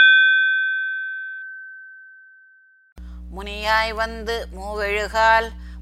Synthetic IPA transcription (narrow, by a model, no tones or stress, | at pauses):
mʊnɪjaːjʋɐnd̪ɯmuːʋɛɻɯɣaːl